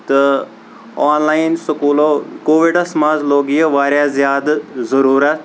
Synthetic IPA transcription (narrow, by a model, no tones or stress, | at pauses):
t̪ə | aːnlaːinsɐkuːloːkoːʋiɖɐsmaːzloːɡijəʋaːɾjaːzjaːd̪zɐɾuːɾat̪